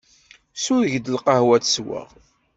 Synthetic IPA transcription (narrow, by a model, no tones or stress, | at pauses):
suʝd̪əlqɑhwæt͡sswæ̰ʁ